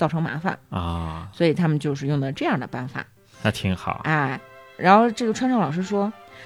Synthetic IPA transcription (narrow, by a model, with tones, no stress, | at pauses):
t͡sɑ˥˩ʊʈ͡ʂʰɤ˧˥ŋma̰˧˥fə̰˨˩nɔ˥˩swɔ˧˥i˨˩t̪ʰa˥mə˨nt͡ɕjo˥˧ʊʂ̬ɻ̩˥˧jʊ˥˩ŋd̪ə˩ʈ͡ʂɤ˥˧jɑ˥˩ŋd̪ə˩pa˥˩nfa̰˨˩˦ | na˥˩t̪ʰi˧˥ŋxɑ̰˨˩˦ʔa˥˩ɪɻa̰˧˥nxo˥˧ʊʈ͡ʂɤ˥˩jo˥˩ʈ͡ʂʰa˥nʈ͡ʂɑ˥˩ŋlɑ˨˩ʊʂɻ̩˥ʂwɔ˥